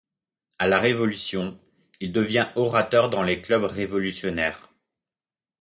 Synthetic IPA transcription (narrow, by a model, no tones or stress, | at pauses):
alaʁevɔlysjɔ̃ | ild̪əvjɛ̃ʔɔʁat̪œʁd̪ɑ̃leklœbʁevɔlysjɔnɛːʁ